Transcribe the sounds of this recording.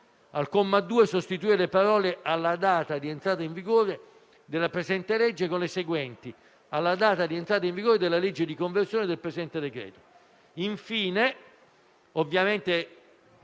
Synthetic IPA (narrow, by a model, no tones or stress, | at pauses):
alkomːad̪ːuːesost̪it̪̬uiːelepaɾɔːleʔalːad̪aːt̪ad̪ient̪ɾaːt̪aiɱviɡoːɾe | d̪elːapɾezɛnt̪elɛd͡ʒːekonleseɡwɛnt̪i | alːad̪aːt̪ad̪ient̪ɾaːt̪aiɱviɡoːɾed̪elːaled͡ʒːed̪ikoɱversjoːned̪elpɾesid̪ɛnt̪ed̪ekɾɛ̰ːt̪o̥ | iɱfiːne | ovːjament̪e